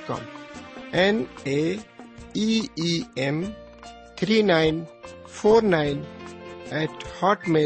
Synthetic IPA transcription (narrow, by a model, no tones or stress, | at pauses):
kɔ̰ːm | ɛne | iiɛm | t̪ʰɾiːnãɪnfoːɾnaɪn | ɛːʈhɔːʈme